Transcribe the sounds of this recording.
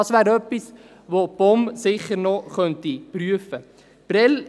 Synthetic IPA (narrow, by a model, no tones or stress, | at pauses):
ɑsʋæːɾœpːis | ʋob̥ɔmsɪχːəɾnɔχœntipryəfə | b̥ɾɛl